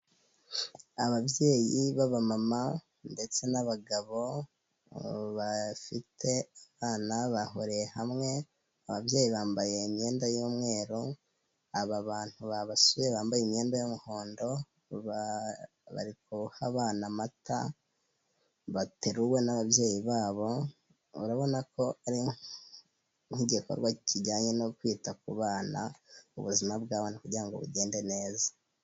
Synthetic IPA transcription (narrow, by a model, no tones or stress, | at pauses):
aβabje̞ːjiβaβamama | nde̞t͡se̞naβaɡaβo̞ | βafitʰe̞aβaːnaβaɦoɾejehamŋe̞ | aβabje̞ːjiβaːmbaje̞imɲe̞ːndajoːmŋe̞ːɾo | aβaβaːn̥huβaβasujeβaːmbajimɲe̞ːndajomuho̞ːndo̞ | βa̰ɾikuhaβaːnamata̰ | βateɾuwe̞naβaβje̞ːjiβaːβo̞ | ṵɾaβo̞nako̞aɾi | ŋ̥iɟeko̰ɾɡwaiciɟaːɲenokwiːtak̚uβaːnaṵβuzimabɡaːβaːnakuɾɟiɾaŋɡo̞̰βuɟe̞ːnde̞ne̞ːzḁ